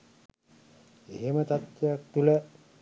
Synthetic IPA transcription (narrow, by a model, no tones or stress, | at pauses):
eɦemət̪at̪jejak̚t̪ulə